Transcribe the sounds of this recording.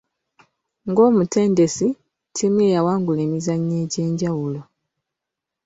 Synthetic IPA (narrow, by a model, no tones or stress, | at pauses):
ŋɡo̞ːmute̞ːnde̞si | tʰimwe̞jawaːŋɡule̞ːmizaɲːe̞ːɟe̞ːɲɟawulo̞